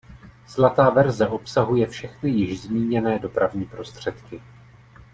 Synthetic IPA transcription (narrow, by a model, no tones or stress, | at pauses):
slat̪aːvɛɾzɛʔo̞psaɦujɛfʃɛxnɪjɪʒzmiːɲɛnɛːdo̞pɾavɲiːpɾo̞st̪r̝̥ɛt̪kɪ